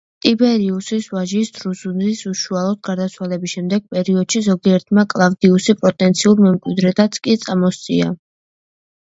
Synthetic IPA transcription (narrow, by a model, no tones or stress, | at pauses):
t̪ʼibɛɾiusisvaʒisd̪ʰɾuzunzisuʃualˠɔd̪̚ɡaɾd̪at̪sʰwalɛbisʃɛmd̪ɛɡ̥̚pʼɛɾiɔd̪̥ʃizɔɡiɛɾt̪ʰmakʼlˠavd̪iusipʼɔt̪ʼɛnt̪sʰiuɾmɛmkʼwid̪ɾɛt̪ʰat̪sʰkʼit̪sʼamɔst̪sʼia̰